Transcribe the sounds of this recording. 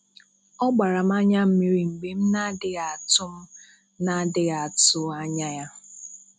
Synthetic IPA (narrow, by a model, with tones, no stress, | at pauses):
ɔ˦ɡ͡ba˨ɾa˨m̩˦a˦ɲa˦m̩˦mi˦ɾi˨ŋ͡m̩˨ɡ͡be˨m̩˦na˦dɪ˦ɣa˨tʊ˦m̩˦ | na˦dɪ˦ɣa˨tʊ˦a˦ɲa˦ja˦